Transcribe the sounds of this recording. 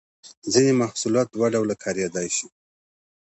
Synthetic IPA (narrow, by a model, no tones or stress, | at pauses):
zinemahsulɑt̪̚waɖawlakʰɑɾjɑd̪ɑjʃi